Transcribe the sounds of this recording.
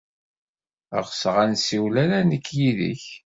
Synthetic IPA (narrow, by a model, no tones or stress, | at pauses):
ə̰ʁəsəʁænsiwlæɾænəkʰːjiðḭç